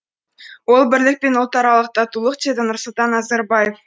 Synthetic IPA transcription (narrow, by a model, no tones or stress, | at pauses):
wo̞lˠbɪɾlɪk̚pe̞nolˠt̪ɑɾɑlˠəq̚t̪ɑt̪ulˠəqd̪ed̪ɪnʊɾsʊlˠt̪ɑnːɑzɑɾbɑje̞f